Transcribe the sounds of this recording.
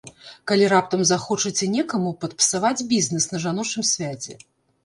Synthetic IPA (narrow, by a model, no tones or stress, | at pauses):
kalʲiɾap̚t̪ɐmzaxɔt͡ʂɨt͡sʲɛnʲɛkɐmupɐt̪̚pʲɨ̥savad͡zʲbʲiznɨsnɐʐanɔt͡ʂɨmsʲvʲat͡sʲɛ̰